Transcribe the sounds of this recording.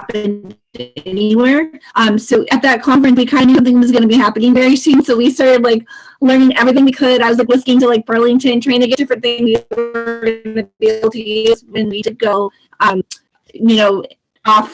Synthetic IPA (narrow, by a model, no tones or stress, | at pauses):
pɨ̃n | ɛniwɛɹʔʌ̃msoʊʔɨt̪̚ðɨt̚kʰɑ̃ɱfɹɨ̃nswikʰãɪ̃ndɨsʌ̃mθɪ̃ŋwʌzɡʌnɨbihæpɨnɪ̃ŋvɛɹisʉ̃nsoʊwistɑɹɾɨdˡlaɪklɜ̃˞nɪ̃ŋʔɛvɹiθɪ̃ŋwɨkʰɨɾaɪwʌzlaɪklɪsnɪ̃ŋtəlaɪk̚b̥ɜ˞lˠɪ̃ŋtʰɨ̃ntʰɹ̥aɪɪ̃ŋtɨɡɛt̚d̥ɪfɹɨ̃nθɪ̃ŋzwiəɡʌnɨbibl̩ˠtʰizwɨ̃nwid͡ʒɨd̚ɡoʊ | ʔʌ̃m | jɨnoʊ | ɔf